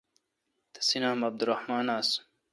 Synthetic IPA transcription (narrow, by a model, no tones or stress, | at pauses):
t̪ɐ̥sinaːmɐb̚d̪uɾɐhmaːnaːs